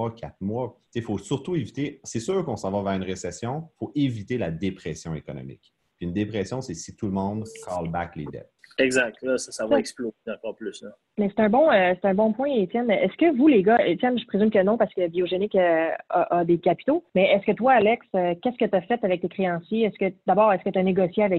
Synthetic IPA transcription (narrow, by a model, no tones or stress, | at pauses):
ɔkʲʰa̰t̪mwat͡sefosyʁt̪uevit̪esɛsyːʁkɔ̃sɑ̃vavɛːʁynʁesɛsjɔ̃foʔevit̪elad̪epχɛsjɔ̃ekɔnɔ̰mɪ̰k | piynd̪epχɛsjɔ̃sɛsit̪ulmɔ̃d̪kʰɑlba̰klḛd̪ɛ̰t̪ɛɡzak̚t̪lɔsḁsavɔɛksploɛ̃pɑplʏsə | mɛse̥t̪ɛ̃bɔ̃øse̥t̪ɛ̃bɔ̃pwɛ̃et̪jɛnɛskəvuleɡʌet̪jɛnʒəpχezymkənɔ̃paʁskəbioʒenɪkøaʔːd̪ekʲapi̥t̪omɛʔɛskət̪waːlɛksøkʲɛskət̪afɛt̪avɛk̚t̪ekχeɑ̃sjeɛskəd̪abɑːʁɛskət̪aneɡɔsjeavɛk